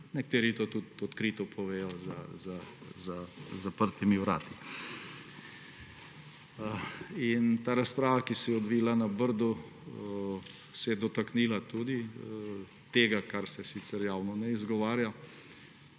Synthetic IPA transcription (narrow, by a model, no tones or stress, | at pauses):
nɛkt̪eːɾit̪oːt̪ut̪ɔt̪kɾiːt̪ɔpʰɔʋeːjɔzazazazapəɾt̪imiwɾa̰ːt̪i | int̪aːɾaspɾaːʋakisɛjɛɔd̪ʋiːlanabəɾd̪u | sɛjɛd̪ɔt̪akniːlat̪uːd̪i | t̪eːɡakaɾsɛsit̪sɛɾjaːwnɔnɛizɡɔʋaːɾja